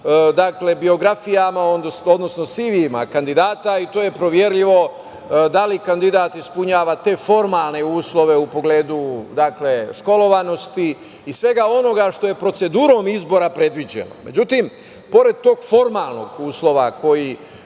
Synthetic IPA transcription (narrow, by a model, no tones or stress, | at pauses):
d̪akle̞bio̞ɡɾafijamaosod̪no̞sno̞siʋima̰kand̪id̪aːt̪ait̪o̞ːjepɾoʋje̞ɾʎiʋo̞ | d̪alikand̪id̪aːt̪ispuɲaːʋat̪e̞ːfo̞ɾmalˠne̞uːslˠo̞ʋe̞upo̞ɡle̞ːd̪ud̪akle̞ʃko̞lo̞ʋano̞st̪i | isʋe̞ɡao̞no̞ɡaʃt̪o̞je̞pɾo̞t̪se̞d̪uːɾo̞ːmizbo̞ɾapɾe̞d̪ʋid͡ʑḛno̰me̞d͡ʑut̪im | po̞ɾe̞d̪̚t̪o̞ːɡfo̞ɾmaːlˠno̞̰ɡuːslo̞ʋako̞ji